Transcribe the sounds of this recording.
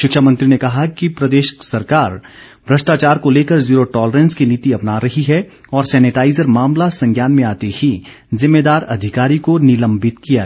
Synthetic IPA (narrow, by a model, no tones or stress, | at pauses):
ʃɪkʃamɐ̃nt̪ɾinekɐɦakipɾɐd̪eːʃə̥ksɐɾkaːɾ | bʱɾɐʃʈaːt͡ʃaːɾkoleːkəɾziːɾoʈɔːləɾɛ̃ːnskiniːt̪iɐpnaɾɐɦiɦɛ | ɔːɾsɛːnɪʈaːɪzəɾmaːmlasɐ̃ŋɡjaːnmẽaːt̪ehi | zɪmːeːd̪aːɾɐd̪ʱɪkaːɾikonɪlɐ̃mbɪt̪kija